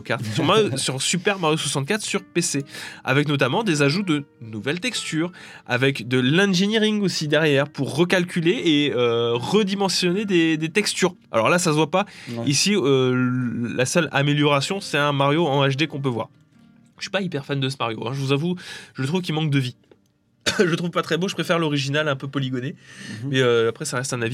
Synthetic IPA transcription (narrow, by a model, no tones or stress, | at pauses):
okaʁt̪syʁmaʁjosyʁsypɛʁmaʁjoswasɑ̃t̪̚kat̪χsyʁpesea̰vɛknɔt̪amɑ̃d̪ezaʒud̪ənuvɛlt̪ɛkst̪yːʁ | a̰vɛkd̪əlɛ̃ʒeniʁiŋɡosid̪ɛʁjɛʁpuʁːəkalkʲyleːøʁəd̪imɑ̃sjɔned̪ed̪et̪ɛkst̪yʁ | a̰lɔ̰ʁlasasəvwapaisiø | lasœla̰meljɔʁasjɔ̃sɛt̪ɛ̃maʁjoɑ̃aʃd̪ekɔ̃p̬øvwa̰ʁ | ɥi̥paipɛʁfand̪əs̬əmaʁjoɛ̃ʒəvuzavuʒələt̪χuvkʲilmɑ̃k̚d̪əvi | ʒət̪χuvpat̪χɛboʒəpχefɛʁlɔʁiʒinalɛ̃pøpɔliɡɔnemɛøapχɛsaʁɛst̪ɛ̃navi